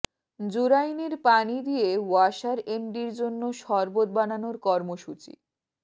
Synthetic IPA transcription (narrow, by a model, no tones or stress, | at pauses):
d͡ʑuɾajneɾpanid̪ijewaʃaɾemɖiɾd͡ʑonːoʃɔɾbot̪̚bananoɾkɔɾmoʃut͡ɕḭ